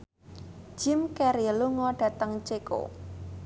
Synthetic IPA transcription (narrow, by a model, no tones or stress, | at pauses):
ʒ̥ɪmkɛɾiəluŋɔɖ̥ä̤t̪əŋt͡ʃeko̰